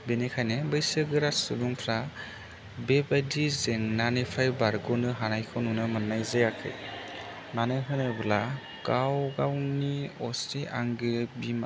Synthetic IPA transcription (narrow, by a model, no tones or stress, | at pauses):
benekʰajnɯbɯjsɯɡɯɾasɯduŋpʰɾa | bebajdizeŋnanepʰɾajbaɾɡɔnɯɦanajkʰɔnunɯmanːajzejakʰɯ̰j | manɯɦɯnɯbɯla | ɡ̥awɡawniɔsteʔaŋɡɯbim